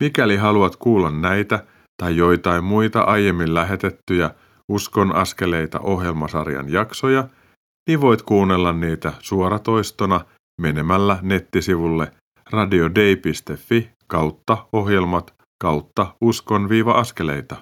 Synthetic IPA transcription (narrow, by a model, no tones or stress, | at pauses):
mikæliɦɑluɑt̪kuːlːɑnːæjt̪æ | t̪ɑjːo̞jt̪ɑimmujt̪ɑ̰ʔɑje̞mːillæɦe̞t̪e̞t̪ːyjæ | usko̞nʔɑ̰ske̞le̞jt̪ɑ̰ʔo̞ɦje̞lmɑsɑrjɑ̰njɑkso̞jɑ | niʋo̞jt̪kuːnːe̞lːɑnniːt̪æsuoɾɑt̪o̞jst̪onɑ | me̞ne̞mælːæne̞t̪ːisiʋulːe̞ | rɑdiode̞ipist̪e̞fːi | kɑwt̪ːɑo̞ɦje̞lmɑt̪ | kɑwt̪ːɑusko̞nʋiːʋɑʔɑske̞le̞̰jt̪ɑ